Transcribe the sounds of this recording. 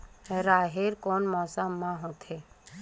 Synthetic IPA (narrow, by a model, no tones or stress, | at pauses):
ɾaːɦeɾkoːnmɔːsamãɦot̪ʰe